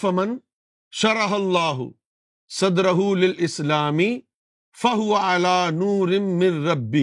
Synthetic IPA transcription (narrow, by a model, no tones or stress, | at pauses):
fɐmɐn | ʃɐɾɑɦɐlˤːaːɦʊ̰ | sɐd̪ɾɐɦuːlɪlʔɪslaːmi | fɐɦʊwɐʕalaːnuːɾɪmːɪ̃nɾɐbːɪ